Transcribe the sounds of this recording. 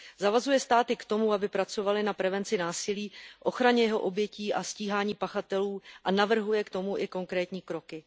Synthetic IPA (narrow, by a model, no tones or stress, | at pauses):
zavazujɛst̪aːt̪ɪkt̪o̞muabɪpɾat͡so̞valɪnapɾɛvɛnt͡sɪnaːsɪliːʔo̞xɾaɲɛjɛɦo̞ʔo̞bjɛciːʔasciːɦaːɲiːpaxat̪ɛluːʔanavr̩ɦujɛkt̪o̞muʔɪko̞ŋkɾɛːt̪ɲiːkɾo̞kɪ